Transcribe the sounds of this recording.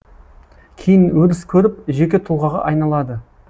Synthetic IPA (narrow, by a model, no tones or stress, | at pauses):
kʲʰejɪnwɵlɪskʲʰɵɾɪp̚ʒe̞kʲe̞t̪ʰulˠʁɑʁɑ̰ʔɑjnɑlˠɑd̪ə